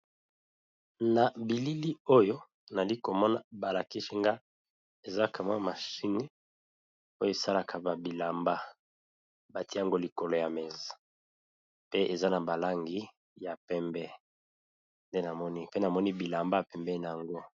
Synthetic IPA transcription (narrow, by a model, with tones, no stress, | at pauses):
na˨bi˨li˦li˦o˦jo˦ | na˨li˦ko˨mɔ˦na̰˨ba˨la˨ki˦ʃi˦ŋɡa˦ | e˨za˦ka˨ma˦ma˨ʃi˦ni˦ | o˦jo˦e˨sa˦la˨kʰa˨ba˨bi˨la˨mba˦ | ba˨ti˦a˨ŋɡo˦li˨ko˨lo˨ja˨mɛ˨za˨ | pe˦ʔe˨za˦na˨ba˨la˦ŋɡi˦ | ja˨pɛ˦mbɛ˦ | nde˦na˨mɔ˦ni˦pe˦na˨mɔ˦ni˦bi˨la˨mba˦ja˨pɛ˨mbɛ˦na˨a˨ŋɡo˦